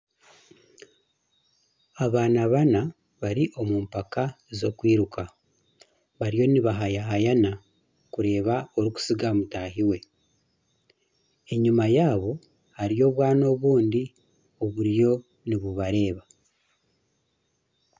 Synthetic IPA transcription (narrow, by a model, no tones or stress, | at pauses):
aβaːnaβana | βaɾiʔo̞muːmpakaezo̞kwiːɾukʰa | βaɾijo̞niβaɦajaɦajana | kuɾe̞ːβao̞ɾiku̥siɡamutaɦiwe̞ | eɲumajaːβo̞ | haɾijo̞ːβwaːno̞βuːndi | o̞βuɾjo̞ | niβuβaɾe̞ːβa